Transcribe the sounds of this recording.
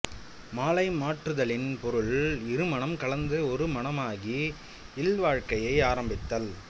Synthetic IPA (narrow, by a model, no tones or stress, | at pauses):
maːlɐɪmaːʈrɯðɐɭɪnpɔɾɯɭɪɾɯmɐɳɐmkɐɭɐnd̪ɯɔɾɯmɐnɐmaːɣi | ɪlʋaːɻkɐjɐɪaːɾɐmbɪt̪ːɐl